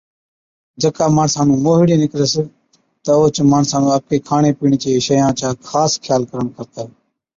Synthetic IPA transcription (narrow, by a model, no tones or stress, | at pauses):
d͡ʒəkaːmaːnsãːnũːmoːɦɽẽːnɪkɾəs | t̪əoːt͡ʃmaːnsãːnũːəkeːkʰaːɳeːpiːɳt͡ʃeːʃəjãːt͡ʃaːkʰaːskʰjaːlkəɾəɳkəɾt̪aː